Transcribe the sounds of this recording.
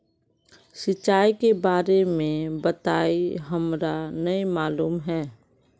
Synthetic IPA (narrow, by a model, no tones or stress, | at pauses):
sɪt͡ʃːaːikebaːɾemẽbət̪aːiɦɐmɾanəimaːluːmɦɛː